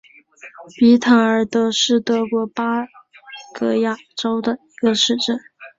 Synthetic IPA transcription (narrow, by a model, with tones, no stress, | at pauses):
pi˧˥t̪ʰa˧˥ŋə˞˨˩t̪ɤ˧˥ʂɻ̩˥˩t̪ɤ˧˥kwɔ˧˥pa˥ | kɤ˧˥ja˥˩ʈ͡ʂo˥ʊd̪ə˨i˧˥ɡə˧ʂɻ̩˥˧ʈ͡ʂə˥˩n